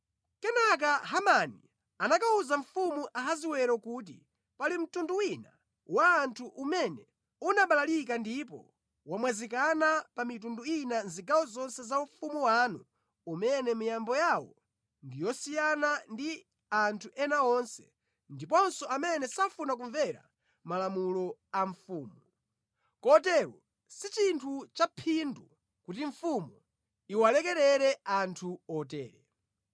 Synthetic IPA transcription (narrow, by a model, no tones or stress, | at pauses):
kɛnak̬aɦamani | anakauzaɱfumuʔaɦaziwɛɾakuːt̬ḭ | palim̩tunduwina̰ | waːntʰuʔumɛnɛ | unaɓalalik̬andipɔ̰ | wamwɛzikanapamitunduinanziɡawɔzɔnsɛzauɱfumuwanu | umɛnɛmijambɔjawɔ | ndijɔsijanandi | antʰuʔɛnaɔnsɛ̥̰ | ndipɔnsɔamɛnɛsafunak̬uɱvɛɾa̰ | malamulɔaɱfuːmuu | kɔtɛɾɔ | sit͡ʃintʰut͡ʃapʰindu | kutiɱfumu | iwalɛkɛɾɛɾɛantʰuɔtɛːɾɛ